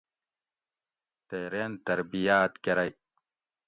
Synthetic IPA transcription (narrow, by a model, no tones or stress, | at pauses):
t̪ejɾent̪ɐɾbijaːt̪keɾaj